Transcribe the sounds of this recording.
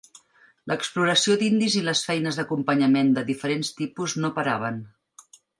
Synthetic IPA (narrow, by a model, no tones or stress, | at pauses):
ləkspluɾəsiod̪ind̪iziləsfɛjnəzðəkumpəɲəmend̪əðifəɾenst̪ipuznopəɾa̰β̞ən